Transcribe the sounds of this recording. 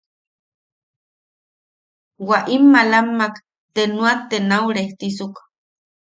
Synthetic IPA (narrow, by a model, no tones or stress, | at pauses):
waʔimːalamːak | t̪enuat̪enauɾeht̪isuk